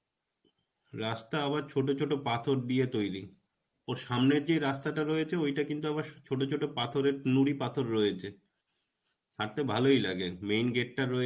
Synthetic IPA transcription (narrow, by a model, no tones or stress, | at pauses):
ɾast̪aaβaɾt͡ɕʰoʈ̬ot͡ɕʰoʈopat̪ʰoɾd̪iet̪ojɾi | oɾʃamneɾd͡ʑeɾast̪aʈaɾojet͡ɕʰeojʈakint̪uaβaɾt͡ɕʰoʈot͡ɕʰoʈopat̪ʰoɾeɾnuɽipat̪ʰoɾːojet͡ɕʰe | ʃʰaɾt̪ebʱalojla̰ɡemejnɡeʈ̚ʈaɾːoe